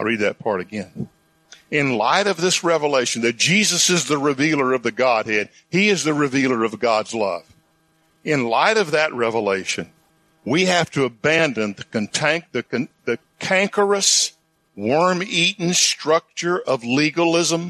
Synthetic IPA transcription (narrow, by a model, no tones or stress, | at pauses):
ɪlˠɹid̪̚ðɨt̚pʰɑɹɾɨɡɛ̃n | ɪ̃nla̰ɪɾʌvðɪsɹɛvəleɪʃn̩ðɨt̚d̥ʒ̥izɨsɨzðɨɹɨvilˠə˞ʌvðɨɡɑd̚hɨd̚ | iɨzðɨɹɨvilˠə˞ʌvɡɑdzlʌ̰v̥ | ɨ̃nla̰ɪɾʌvðɨʔ̚ɹɛvəleɪʃɨ̃n | wihæftɨːbæ̃ndɨ̃nðɨkɨ̃ntʰæ̃ŋ̚ðɨkɨ̃nðɨkʰæ̃ŋkə˞ɨs | wɔ̃ɹmiʔn̩stɹ̥ʌk̚t͡ʃə˞ʔʌvliɡəlˠɪzə̃m